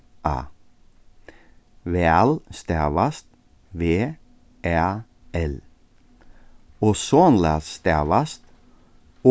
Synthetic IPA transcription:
ʔɑ̰ː | ʋeːælst̪æʋɑst̪ | ʋeː | ʔæ | ɛl | oːsɔnlɑ̰st̪æʋɑst̪ | o

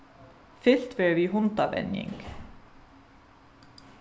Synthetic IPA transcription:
fɪl̥t̪ʋɛɹʋiːɦʊnt̪aʋɛ̰njɪ̰ŋk

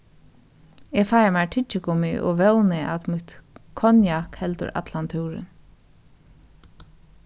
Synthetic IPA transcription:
ɛfajamaʈʰɪt͡ʃːɪkʰʊmɪʔɔ̰ʋɛwnɪa̰t̪mɪt̪kʰɔnjakhɛlt̪ʊ̰ɾa̰t̪lant̪ʰuwɾɪ̰n

